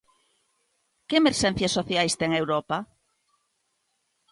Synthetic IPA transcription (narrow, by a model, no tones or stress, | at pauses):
kemeɾʃẽn̟θjasːoθjajst̪eŋewɾopa